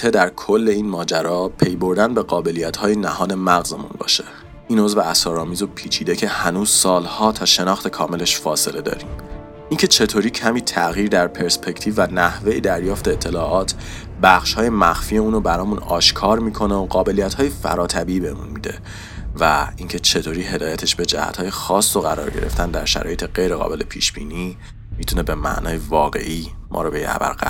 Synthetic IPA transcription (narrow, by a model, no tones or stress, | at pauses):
t̪ʰe̞d̪æɾkʰo̞lːe̞iːnmɒːd͡ʒæɾɒːpʰe̞jbo̞ɾd̪ænbe̞ɣɒːbe̞lijæt̪hɒːjenæhɒːd̪e̞mæɣzemṵnbɒ̰ːʃe | iːno̞zveæsɒːɾɒːmiːzopʰiːt͡ʃʰiːd̪ecʰe̞hænuːz̥sɒːlhɒːt̪ʰɒːʃe̞nɒːxt̪e̞kʰɒːme̞le̞ʃfɒːse̞le̞d̪ɒ̰ːɾiːm | ʔincʰe̞t͡ʃʰe̞t̪ʰoːɾiːcʰæmiːt̪ʰæɣiːɾd̪æɾpʰe̞ɾspʰe̞ct̪ʰiːvːænæhve̞jed̪æɾjɒːft̪eːt̪ʰːe̞lɒːʔɒːt̪ʰ | bæxʃhɒːje̞mæxfiːeuːnobæɾɒːmunɒːʃkʰɒːɾmiːkʰo̞neoɢɒːbe̞lijæt̪hɒːje̞fæ̰ɾɒːt̪ʰæbiːbemṵnmid̪e̞̰ | væiŋcʰe̞t͡ʃʰe̞t̪ʰoːɾiːɦe̞d̪ɒːjæt̪ʰe̞ʃbe̞d͡ʒæ̰hæ̰t̪ʰhɒːje̞xɒːsːoɣæɾɒ̰ːɾɟe̞̰ɾeft̪ʰænd̪æ̰ɾʃæ̰ɾɒːje̞t̪ʰeɢe̞jɾeɣɒ̰ːbe̞le̞̰pʰiːʃb̥ḭːniː | mit̪ʰune̞be̞mæ̰ʔnʔɒːjevɒːɣe̞̰ʔiːmʔɒ̰ɾɔbej̰æ̰væ̰lɢæ̰